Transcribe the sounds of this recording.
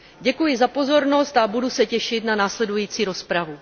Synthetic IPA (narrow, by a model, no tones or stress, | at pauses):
ɟɛkujɪzapo̞zo̞ɾno̞st̪abudusɛcɛʃɪt̪nanaːslɛdujiːt͡siːɾo̞spɾavu